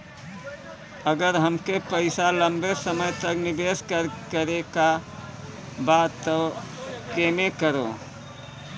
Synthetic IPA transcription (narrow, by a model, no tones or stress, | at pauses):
əɡəɾɦəmkepəɪsalə̃mbesəməjt̪əknɪbeskəɾkəɾeka | bat̪ːo | kemekəɾo̰